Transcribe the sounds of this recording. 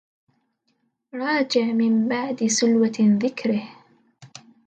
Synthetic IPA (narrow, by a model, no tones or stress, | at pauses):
ɾˤɑːd͡ʒɪʕmɪmbaʕd̪ɪsʊlwaðɪkɾɪh